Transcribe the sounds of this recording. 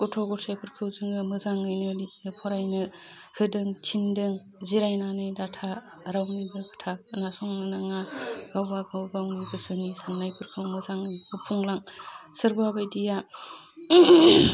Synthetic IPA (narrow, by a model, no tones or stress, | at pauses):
ɡ̥ɔtʰɔɡɔtʰajpʰɯɾkʰɯwzɯŋɯmɯzaŋɯjnɯlit̚nɯpʰɔɾajnɯ | hɯdɯŋt͡ʃʰindɯŋ | ziɾajnanɯjdatʰa | ɾawnibɯkʰɯ̥tʰak̚nasɔŋnɯnaŋaɡ̥awbaɡawbawnibɯsɯnisannajpʰɯɾkʰɯwmɯzaŋɯjbɯpʰuŋlaŋsɯɾbabajdija